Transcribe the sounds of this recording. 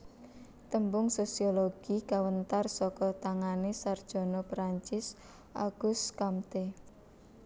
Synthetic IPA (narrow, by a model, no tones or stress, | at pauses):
t̪əmbʊŋsosioloɡ̥ikawənt̪arsɔkɔt̪aŋanesard̥ʒ̥ɔ̤nɔpɾaɲt͡ʃɪs | ʔa̰ɡ̥ʊskamt̪e